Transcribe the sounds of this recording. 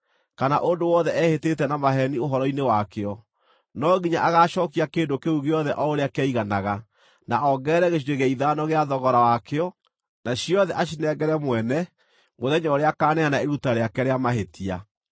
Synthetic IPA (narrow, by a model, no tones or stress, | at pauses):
kanaʔondowɔðɛʔɛhetetɛnamaɦɛnioɦɔɾɔinewakeɔ | nɔɣiɲaʔaɣaːʃɔːkiakeːndokeuɣeɔðɛʔɔoɾeakeaiɣanaɣa | naʔɔɡɛːɾɛɣeʃ̬iɾeɣaiðaːnɔɣeaðɔɣɔɾawakeɔ | naɕiɔðɛʔaʃinɛɡɛɾɛmwɛnɛ | moðɛɲɔoɾeakaːnɛanaeɾutaɾeakɛɾeamaɦetia̰